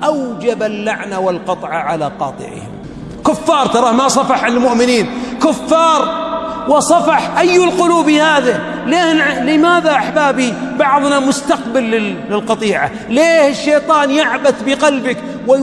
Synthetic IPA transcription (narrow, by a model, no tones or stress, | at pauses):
ʔawd͡ʒabalːaʕnawɪlqɑt̪ˤʕɑʕalaqɑ̰ːt̪ˤɨ̰ʕɪ̰hɪ̰m | kʊfːɑːɾˤt̪ɑɾˤɑːhmasˤɑfɑħʕanɪlmʊʔmɪniːnkʊfːɑːɾˤwɪsˤɑfɑħʔajːʊlqʊluːbihaːða | leːhlɪmaːðaʔaħbaːbibɑʕðˤnamʊst̪aqbalːɪːɪlqɑt̪ˤiːʕa̰ | leːhɪʃːeːt̪ˤɑːnjaʕbaθbɪqɑlbɪk | wɪ